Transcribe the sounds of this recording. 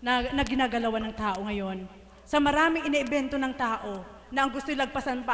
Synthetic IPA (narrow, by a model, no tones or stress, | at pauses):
nɐnɐɡɪnaːɡɐlɐwanɐŋt̪aːʔo̞ŋɐjo̞n | sɐmɐɾaːmɪŋʔɪnɛʔɛbɛnt̪o̞nɐŋt̪aːʔo̞ | nɐʔɐŋɡʊst̪olɐɡ̚pɐsɐnpa